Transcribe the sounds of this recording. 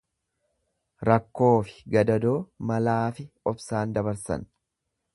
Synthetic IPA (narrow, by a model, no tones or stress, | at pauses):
ɾɐkːo̞ːfɪ̥ɡɐd̪ɐd̪o̞ːmɐlaːfɪɔbsaːnd̪ɐbɐɾsɐ̰n